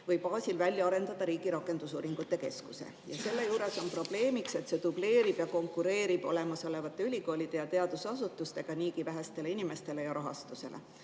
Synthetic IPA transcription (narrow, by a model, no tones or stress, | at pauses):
vɤjpɑːsʲilvælʲjɑɑɾe̞nd̪̥ɑd̪̥ɑɾiːɡ̥iɾɑkːˑe̞nd̪̥usṵːɾiŋɡ̥ut̪ːˑe̞ke̞skuse̞̰ | jɑse̞lːe̞juːɾe̞so̞npro̞b̥le̞ːmikse̞t̪se̞t̪ub̥le̞ːɾib̥jɑko̞ŋkːˑuɾe̞ːɾib̥o̞̰le̞mɑso̞le̞vɑt̪ːˑe̞ylʲiko̞ːlʲid̪̥e̞jɑt̪e̞ɑd̪̥usɑsut̪ːˑust̪e̞ɡ̥ɑniːkivæɦest̪e̞leinime̞st̪e̞le̞jɑɾɑɦɑ̰st̪use̞̰lʔe̞̰